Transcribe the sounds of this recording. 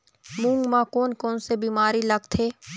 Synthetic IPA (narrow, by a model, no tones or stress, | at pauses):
mũːŋɡmãkoːnkɔːnsebiːmaːɾilɐɡt̪ʰeː